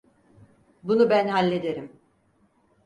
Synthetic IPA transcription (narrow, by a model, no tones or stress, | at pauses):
bunubænhalʲːe̞d̪eɾim